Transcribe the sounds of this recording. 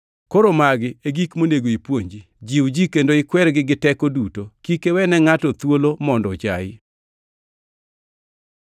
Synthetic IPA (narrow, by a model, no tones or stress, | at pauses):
koɾomaɡɪeɡikmoneɡoipwoɲd͡ʒi | d͡ʒiwd͡ʒikendoɪkwɛɾɡɪɡɪtɛkodutokikewɛnɛŋatɔt̪wolomɔndɔt͡ʃaɪ